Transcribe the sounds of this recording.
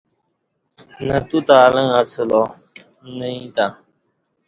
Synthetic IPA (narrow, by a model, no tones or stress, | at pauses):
nətutaːləŋat͡səlɔ | nəɲta